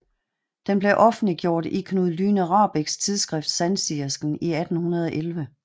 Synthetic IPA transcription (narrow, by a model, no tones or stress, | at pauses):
d̥enb̥le̝ʔɒ̽fn̩liɡ̥jo̝ɐ̰d̥ikʰnuðˠlyːnʁɑ̈ːb̥iɡ̥st͡sʰiðˠsɡ̥ʁɛfd̥sænsiɐsɡ̥n̩iæd̥n̩hunɐð̞ˠɒʔelʋə